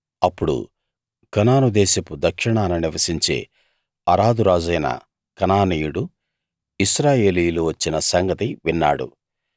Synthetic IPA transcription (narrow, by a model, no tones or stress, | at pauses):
ɐpːuɽṵ | kɐnaːnud̪ɛːsɐpud̪ɐkʂiɳaːnɐniʋɐsiɲt͡ʃe̞̰ː | ɐɾaːd̪uɾaːd͡ʒɐjnɐ̰ | kɐnaːniːjuɽu | iʃɾaːje̞ːliːjluʋɐt͡ʃːinɐsɐŋɡɐt̪iʋinːa̰ːɽṵ